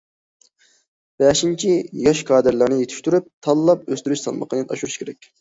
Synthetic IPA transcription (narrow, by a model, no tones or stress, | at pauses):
b̥ɛʃint͡ʃʰijɑʃkʰɑːd̪ɨɾlˠɨɾnɨjet̪ʰɪ̥ʃt̪yɾyp̚t̪ʰɑlˠːɑpøst̪yɾyt͡ʃsɑ̰lˠməqʰənɨɑ̰ʃuɾuʃkʲʰeɾɛkʲ